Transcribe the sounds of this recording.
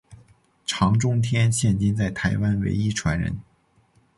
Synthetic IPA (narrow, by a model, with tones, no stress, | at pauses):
ʈ͡ʂʰɑ˧˥ŋʈ͡ʂʊ˥ŋt̪ʰjɛ˥nɕjɛ˥˩nt͡ɕi˥nt͡sa˥˩ɪt̪ʰa˧˥ɪwa˥nwḛ˧˥ɪi˥ʈ͡ʂʰwa˧˥nɻə̰˧˥n